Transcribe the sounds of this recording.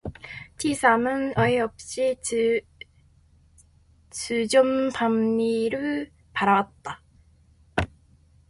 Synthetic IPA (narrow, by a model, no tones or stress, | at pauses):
tʰisʰamɯnʌiʌp̚ɕ͈i | t͡ɕud͡ʑompamːiɾɯɭ | paɾawat̚t͈a